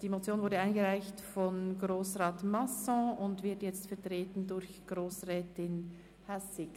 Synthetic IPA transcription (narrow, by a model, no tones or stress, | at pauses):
d̥iːmot͡sjoːnvʊɐdəaɪnɡəʁaɪçtfɔnɡʁoːsʁɑːtmasɔ̃ʊntv̥ɪɐtjɛt͡stfɛɐtʁ̥eːtn̩dʊɐçɡ̥ʁoːsʁɛːtɪn | hasɪk